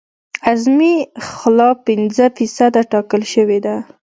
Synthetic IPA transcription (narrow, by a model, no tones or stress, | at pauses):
azmixlɑpːɪnzəfisad̪aʈɑkəlʃəwed̪a